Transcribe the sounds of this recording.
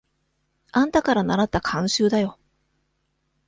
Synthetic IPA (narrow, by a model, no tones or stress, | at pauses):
ãnt̪akaɾanaɾat̪ːakʰãɰ̃ɕɨːd̪ajo̞